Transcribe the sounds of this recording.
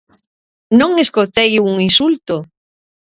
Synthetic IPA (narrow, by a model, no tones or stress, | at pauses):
nõŋeskot̪ejuŋinsult̪o